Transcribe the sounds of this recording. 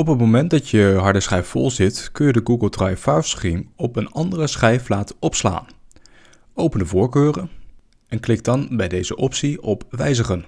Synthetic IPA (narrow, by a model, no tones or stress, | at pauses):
ɔpət̚mowmɛnt̚dɑtjəɦɑɹdəsχɛjffɔlˠzɪtkɵnjədəɡuɡəlˠtrɑjfaɹskrimɔpənɑndərəsχɛjflaːtɔpsla̰ːn | owpəndəvʊːɹkøːrən | ɛnklɪk̚dɑnbɛjdejzəʔɔpsiɔpʋɛjzəχən